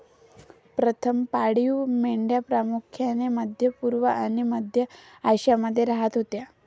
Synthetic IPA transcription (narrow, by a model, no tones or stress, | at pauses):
pɾət̪ʰəmpaɽiumeɳɖjapɾamukʰjaneməd̪ʱjəpuɾʋəʔañiməd̪ʱjə | ajɕjaməd̪ʱːjeɾaɦət̪ɦot̪ja